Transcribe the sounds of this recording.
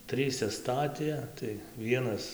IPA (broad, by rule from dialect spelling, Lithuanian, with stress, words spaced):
ˈtʲrʲiːsʲɛ ˈstɑːtʲeː tɐɪ ˈʋʲiɛnɐs